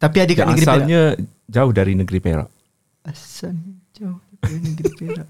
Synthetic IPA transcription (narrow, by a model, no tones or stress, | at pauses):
t̪apiadekanəaɡɾisalɲa | d͡ʒaʊhdaɾinəɡɾipḛɾa̰ʔ | asand͡ʒaʊh | ainəɡɾipeɾaʔ